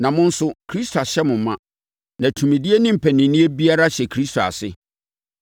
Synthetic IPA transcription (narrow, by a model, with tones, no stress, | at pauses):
nã˨mʊ̃˦n̩˦sʊ˨kʰɾi˦stʰo˨a˨ɕɛ˦mʊ̃˨m̩˦mã˦ | nã˨tʰũ˨mĩ˨di˦e˦nɪ̃˦m̩˨pʰæ˨nĩ˨nĩ˦e˦bi˦a˦ɾa˦ɕɛ˨kʰɾi˦stʰo˨a̰˨sɪ˦